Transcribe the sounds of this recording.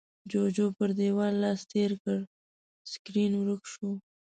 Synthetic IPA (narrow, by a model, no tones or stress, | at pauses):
d͡ʒod͡ʒopəɾd̪ewɑlːɑst̪eɾkəɽ | skɾinwɾəkʃu